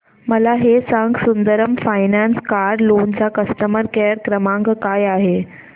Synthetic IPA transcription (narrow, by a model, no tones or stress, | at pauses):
məlaɦesãŋɡsund̪əɾəmfajnanskaɾlond͡ʑakəst̪əməɾkeəɾkɾəmãŋɡkajaɦe